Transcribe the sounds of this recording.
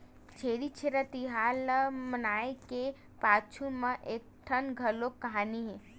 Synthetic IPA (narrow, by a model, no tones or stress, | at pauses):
t͡ʃʰeːɽit͡ʃʰeɾət̪iɦaːlmənaːeke | paːt͡ʃʰumẽʔeːk̚ʈʰənɡʱɐlokɐɦaːniɦɛ̃ː